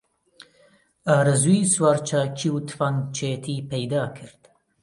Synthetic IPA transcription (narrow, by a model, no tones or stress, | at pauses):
aːɾɐzujswaːɾt͡ʃʰaːkʰiwt̪ʰfaŋt͡ʃʰeːt̪ʰiːpʰɛjd̪aːkʰɨɾt̪